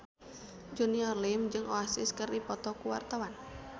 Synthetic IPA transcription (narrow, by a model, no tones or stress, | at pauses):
d͡ʒuniɔrlimd͡ʒɨŋʔoasɪskɨrdipɔt̪ɔkuwa̰rt̪awan